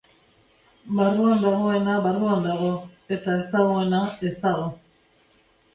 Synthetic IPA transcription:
baruand̪aɣ̞o̞e̞naβaruand̪aɣ̞o̞e̞t̪ae̞st̪aɣo̞e̞nae̞st̪aɣ̞o̞

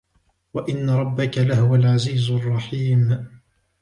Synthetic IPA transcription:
waʔɪnːaɾˤɑbːakalahʊwalʕaziːzɑrˤːɑħiːm

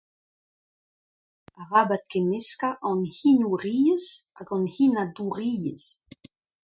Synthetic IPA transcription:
aʁabat̪̚kemeskaʔɑ̃nhinuʁiːəzaɡɑ̃nhinaduʁiəs

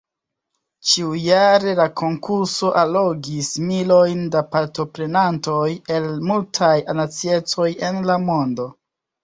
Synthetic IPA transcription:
t͡ʃiujaɾe̞lakʰo̞ŋkuɾso̞ʔalo̞ɡismilo̞jndapaɾto̞pɾe̞nanto̞je̞lmultʰajanat͡sie̞t͡so̞je̞nlamo̞ndo̞

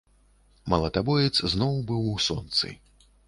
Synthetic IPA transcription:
mɐlˠɐt̪abɔjʲɛt̪sznɔwbɨwsɔnt̪sɨ̰

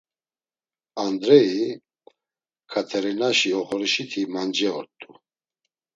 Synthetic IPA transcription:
and̪ɾɛi | kʰat̪ʰɛɾinaʃiɔχɔɾiʃit̪ʰimand͡ʒɛɔɾt̪ʼu

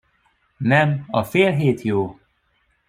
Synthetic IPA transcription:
nɛmɒfeːlɦeːt̪ʰjoː

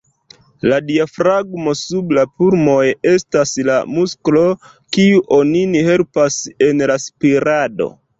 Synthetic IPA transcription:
ladiafɾaɡmo̞sublapuɾmo̞je̞staslamusklo̞ | kiuʔo̞ninihe̞lpase̞nlaspiɾado̞̰

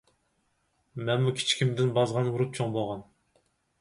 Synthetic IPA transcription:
mɛnmukʲʰi̥t͡ʃʰkʲʰimd̪ɪnbɑzʁɑnwuɾup̚t͡ʃʰoŋboʁɑn

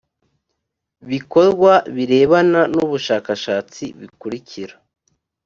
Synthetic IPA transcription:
βiko̞ɾɡwaβiɾe̞ːβananuβuʃaːkaʃaːt͡siβikuɾiciɾa

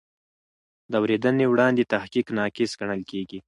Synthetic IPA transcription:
d̪awɾed̪ənewɽɑnd̪et̪ahkiknɑkɪsɡaɳəlkeɡi

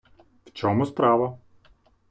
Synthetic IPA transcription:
ft͡ʃʲɔːmuspɾɑːʋɔ

